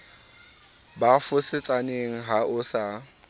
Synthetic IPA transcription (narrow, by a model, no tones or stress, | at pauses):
bafʊsɪt͡sʼaneŋ̩ɦaʔʊsa